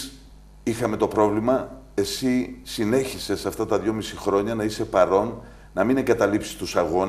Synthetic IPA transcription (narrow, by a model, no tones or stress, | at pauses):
ixɐme̞t̪o̞pɾo̞vlimɐ | e̞sisine̞çise̞sɐft̪ɐt̪ɐðʝo̞misixɾo̞ɲɐnɐise̞pɐɾo̞nː | ɐmine̞ŋɡɐt̪ɐlipsi̥st̪usɐɣo̞n